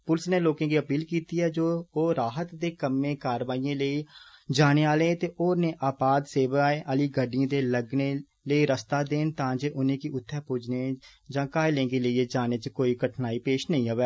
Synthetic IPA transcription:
pʊlsneːloːkãːkiːəpiːlkiːt̪iːɛːd͡ʒoːɾaːɦət̪d̪eːkəmːẽːkaːɾʋaːiːẽːləiːd͡ʒaːneːaːleːt̪eːʔoːɾnẽːʔaːpaːd̪seːʋaeʔəliːɡəɖiãːd̪eːləɡneː | ləiːɾəst̪aːd̪eːnt̪ãːd͡ʒeːʔʊnẽːkiʊt̪ʰːɛːpʊd͡ʒneːd͡ʒãːkaːelẽːɡeːləiːeːd͡ʒaːneːt͡ʃəkoːiːkəʈʰnaːiːpeːʃnəĩːɦəʋɛː

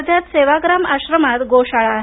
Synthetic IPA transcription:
d̪jat̪seʋaɡɾamaɕɾəmat̪ɡoɕaɭaɦ

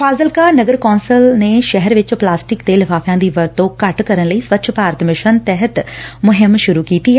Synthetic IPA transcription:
fʰaːzəlkaːnəɡəɾkɔːnsəlneːʃɛɦəɾʋɪt͡ʃplaːsʈɪkt̪eːlɪfʰaːfʰjãːd̪iːʋəɾt̪õːkəʈkəɾənləiːsʋətːʃʰpaːɾət̪mɪʃənt̪ɛɦət̪mʊɦɪmʃʊɾuːkiːt̪iːɛ

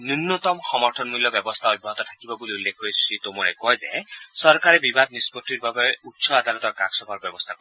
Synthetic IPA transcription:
nunːɔt̪ɔmxɔmɔɹtʰɔnmuljɔbjɔbɔst̪ʰaɔd̪̚bʱɔɦɔt̪ɔt̪ʰakibɔbuliulːekʰoɹisɹit̪omuɹɛ̰kɔjzḛsɔɹkaɹɛbibad̪̚nispɔtːiɹbabɔutsɔad̪alɔt̪ɔɹkaksɔbɔɹbjɔbɔst̪ʰakɔ

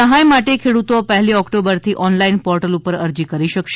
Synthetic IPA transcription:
əɦajmaʈekʰeɽut̪opəɦliɔkʈobəɾt̪ʰiʔɔnlainpɔɾʈəlupəɾəɾd͡ʒikəɾiʃəkʃe

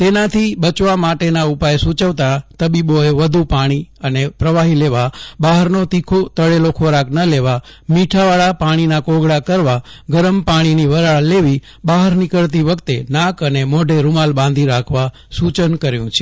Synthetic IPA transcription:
t̪enat̪ʰibət͡ʃʋamaʈenaupajsut͡ʃəʋt̪at̪əbiboeʋəd̪ʱupaɽ̃iənepɾəʋaɦileʋabaɦəɾnot̪ikʰot̪əɭelokʰoɾaknəleʋamiʈʰaʋaɭapaɽ̃inakoɡɽakəɾʋaɡəɾəmpaɽ̃iniʋəɾaɭleʋi | baɦəɾnikəɭt̪iʋəkt̪enakənemoɖeɾumalbãnd̪ʱiɾakʰʋa | sut͡ʃənkəɾjũt͡ʃʰe̥

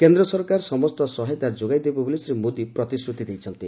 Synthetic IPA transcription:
kend̪ɾɔsɔɾkaɾsɔmɔst̪ɔsɔɦejt̪ad͡ʒoɡajd̪ebɔbulisɾemod̪ipɾɔt̪isɾut̪id̪ejt͡ʃʰɔnt̪i

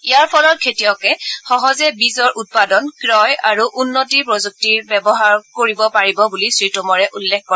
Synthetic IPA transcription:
ijaɹpʰɔlɔt̚kʰetiɔkɛxɔɦɔzɛbizɔɹʔut̚padɔnkɹɔjaɹuʔunːotiɹpɹozuk̚tiɹbɛbɔɦaɹkoɹibɔpaɹibɔbulisɹitɔmɔɹɛʔulːɛk̚ʰkɔɹ

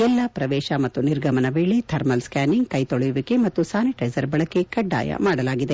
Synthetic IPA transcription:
ɛlːɐpɾɐʋɛːʃɐmɐt̪ːuniɾɡʱɐmɐnɐʋeːɭit̪ʰɐɾmɐlskaːniŋɡkɐjt̪oɭɐjuʋikemɐt̪ːusaːniʈɐjsɐɾbɐɭɐkːekɐɖːa̰ːjɐ̰maːɽɐlaːɡid̪e̞

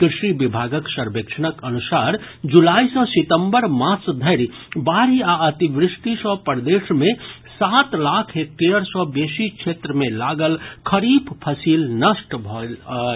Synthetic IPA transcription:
kɾɪʃibɪbʱaːɡəksəɾbekʃənəkənusaːɾ | d͡ʒulaːisɔ̃swɪt̪ə̃mbəɾmãːt͡ʃd̪ʱəɾi | baːɾiaət̪iʋɾɪʃʈisɔpəɾd̪eːʃmẽ | saːt̪laːkʰɦek̚t̪eɾsɔbeːʃikʃʰeːt̪ɾəmẽlaːɡəlkʰəɾiːbpʰəsiːlnəʃʈbʱɔ

